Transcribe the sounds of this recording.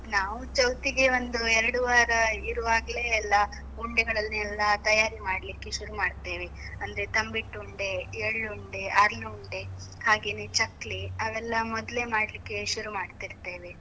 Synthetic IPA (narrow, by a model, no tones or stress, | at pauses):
naːʋut͡ʃɐwt̪iɡe̞ʋond̪uɛɾɐɽuʋaːɾɐiɾuʋaːɡɐle̞ːlːɐ | uɳɖeɡɐɭɐlnuɛlːɐt̪ɐjaːɾimaːɽlikːeʃuɾumaːɖt̪e̞ːʋe̞ɐnd̪ɐɾet̪ɐmbiʈːuɳɖe̞eɭɭuɳɖe̞ʔaːɾluuɳɖehaːɡeːnet͡ʃɐkːliɐʋɛlːɐmɔd̪le̞maːɽlikːe̞ʃuɾumaːɖt̪iɾt̪e̞ːʋe̞